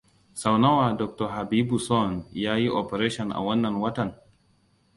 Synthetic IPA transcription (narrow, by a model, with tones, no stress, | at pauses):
sa˨wna˦waː˨dɔ˨k̚tɔ˨ɦa˨biː˦bu˨sɔ˦˨njaː˦ji˦ʔo˨pɛ˨ɾeː˦ʃɔ˨nʔa̰˨wɐ˦nːɐ˨nwɐ˦tɐ˨n